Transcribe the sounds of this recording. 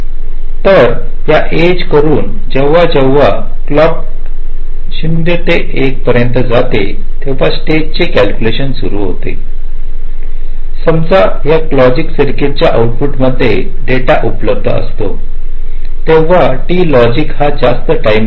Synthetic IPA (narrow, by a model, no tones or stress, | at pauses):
t̪əɾ | ɦjaʔed͡ʑkəɾuːn | d͡ʑeʋːad͡ʑeʋːa | klɔk̚ | ɕind̪et̪eʔek̚pəɾjənt̪əd͡zat̪ḛ | t̪eʋ̤asʈed͡ʑ̚t͡ɕekælkʲjuleɕənsuɾṵːɦo̰t̪ḛ | səmd͡za | ɦjaklɔd͡ʑiksəɾket̚t͡ɕjaʔawʈpuʈməd̪ʱːḛ | ɖeʈaʔupləb̚d̪ʱə̰ə̰st̪o | t̪eʋ̤a | ʈiːlɔd͡ʑikhad͡zast̪əʈajm